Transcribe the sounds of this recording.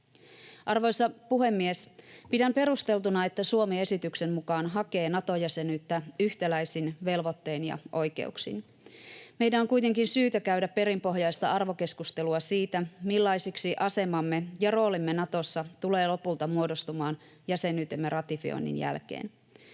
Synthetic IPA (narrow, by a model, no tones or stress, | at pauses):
ʔɑrʋo̞jsːɑpuɦe̞mːiespidæmpe̞ɾust̪e̞lt̪unɑe̞t̪ːæsuomie̞sit̪ykse̞mmukɑːnɦɑke̞ːnɑt̪o̞jæse̞nyːt̪ːæyçt̪ælæjsinʋe̞lʋo̞t̪ːe̞ːnjɑ̰ʔo̞jke̞̰uksḭn | me̞jdæno̞ŋkujt̪e̞ŋkinsyːt̪ækæɥdæpːe̞ɾimpo̞ɦjɑjst̪ɑɑrʋo̞ke̞skust̪e̞luɑsiːt̪æmilːɑjsiksiʔɑse̞mɑmːe̞jɑro̞ːlimːenɑt̪o̞sːɑt̪ule̞ːlo̞pult̪ɑmuo̞do̞st̪umɑːn | jæse̞nyːt̪emːe̞rɑt̪ifio̰inːḭnjæ̰lk̟ḛːn